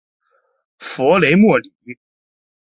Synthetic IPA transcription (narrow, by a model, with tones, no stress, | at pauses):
fɔ˧˥le˧˥ɪmwɔ˥˩li˨˩˦